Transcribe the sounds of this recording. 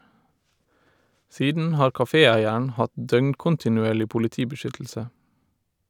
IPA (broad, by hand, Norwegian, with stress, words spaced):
ˈsiːdn̩ ˈhɑːɹ kɑˈfeːˌæɪəɳ̩ ˈhɑt ˈdœŋkʊntɪnʉˌeːɭɪ pʊlɪˈtiːbəˌʃʏtl̩sə